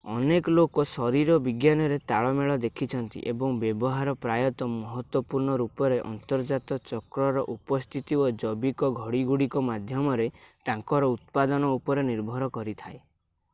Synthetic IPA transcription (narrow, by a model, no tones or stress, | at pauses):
ɔ̰nekɔlokɔsɔɾiɾɔbiɡjanɔɾet̪aɭɔmeɭɔd̪ekʰit͡ʃʰɔnt̪ḭʔebɔŋbjebɔɦaɾɔpɾajɔt̪ɔmɔɦɔt̪wɔpuɾɳɔɾupɔɾeʔɔ̰nt̪ɔɾd͡ʒat̪ɔt͡ʃɔkɾɔɾɔʔupɔst̪ʰit̪iod͡ʒɔbikɔɡʱɔɽiɡuɽikɔmad̪ʱjɔmɔɾet̪ãŋkɔɾɔut̪̚pad̪ɔnɔupɔɾeniɾbʱɔɾɔkɔɾit̪ʰae